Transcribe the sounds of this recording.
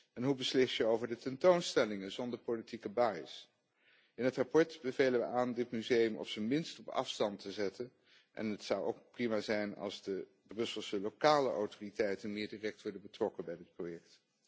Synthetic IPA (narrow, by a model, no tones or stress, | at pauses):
ɛnɦubəslɪsjəowvəɹdətɛntownstɛlɪŋənzɔndəɹpolitikəbaːjɪs | ɪnɦətrapɔɹtb̥əvejləʋəaːndɪtmyzejəmʔɔ̰fsənmɪnstɔpɑ̰fstɑntəzɛtən | ʔɛ̰nətsɑwo̰wk̚primaːzɛjnɑ̰lˠzdə | brɵsəlˠsəlowkaːləʔawtoritɛjtənmɪːɹdirɛk̚tʋɔɹdənbətrɔkəbɛjdɪt̚projɛk̚t